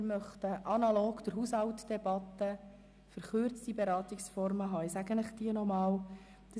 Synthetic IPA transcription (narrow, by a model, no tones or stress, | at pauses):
mœχt̪əʔɑnɑloːɡd̥̪əɾɦushɑwtd̥ɛbɑt̪ːə | fəɾχøːɾt͡stibeɾɑːt̪iksfɔɾməɦɑːɪsæɡənɪχd̥iənɔmɑːl | d̪̥ə